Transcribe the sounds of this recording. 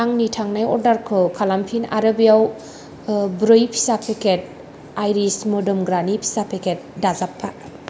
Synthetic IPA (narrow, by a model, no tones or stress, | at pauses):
aŋnitʰaŋnajɔɾdaɾkʰɯkʰalampʰina̰ɾabijaw | bɾoipʰi̥sapʰeket̚ | ajɾismɔdɔmɡɾanipʰi̥sapʰekʰet̚dazapʰːa